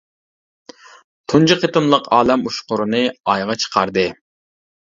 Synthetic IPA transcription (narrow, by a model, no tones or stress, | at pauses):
t̪ʰund͡ʒɨqʰet̪ɨmlˠəqɑːlɛmuʃqʊɾɨnɨɑjʁɑt͡ʃʰə̥qʰɑɾd̪ɨ